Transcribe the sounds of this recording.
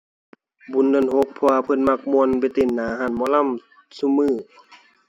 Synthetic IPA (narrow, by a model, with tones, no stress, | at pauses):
bu˨˧˦nːɯ˧˥˨nho˧˦k̚pʰɔ˧a˧pʰɤ˧˥˨nma˧˩k̚mu˧ə˨nbe˧˩t̪e˧˨nːaː˨˦ɦaː˧˩˨nmɔː˧˦˨la˧˥˨m | su˧˨mɯː˧˩